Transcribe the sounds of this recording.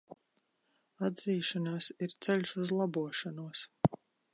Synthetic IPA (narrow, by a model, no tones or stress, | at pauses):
ad̪ziːʃanaːsiɾt̪sɛlʲʃuzlˠabuɔʃanuɔs